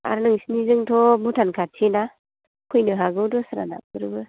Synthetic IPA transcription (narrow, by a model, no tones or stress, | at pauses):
a̰ɾnɯŋsinizɯŋtʰɔbutʰankʰatʰina | kʰujnɯɦaɡɯwdɔsɾa̰na̰p̚ɯɾɯbɯ